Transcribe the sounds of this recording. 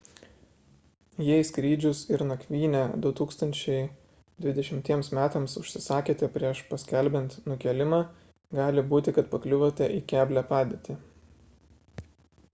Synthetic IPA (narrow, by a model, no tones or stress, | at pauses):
jɛɪskɾʲiːd͡ʒʲʊsɪɾnɐkʲʋʲiːnʲæːd̪ʊt̪uːkst̪ɐnʲt͡ʃʲɛɪ | d̪ʲʋʲɪd̪ʲɛʃʲɪmʲt̪ʲiɛmsmʲæːt̪ɐmsʊʃʲsʲɪsɑːkʲeːt̪ʲɛpʲɾʲiɛʃpɐsʲkʲɛlʲbʲɛnt̪nʊkʲɛlʲɪmɑː | ɡɑːlʲɪbuːt̪ʲɪkɐt̪pɐklʲʊʋot̪ʲɛʔiːkʲæːbʲlʲæːpɑːd̪ʲeːt̪ʲɪ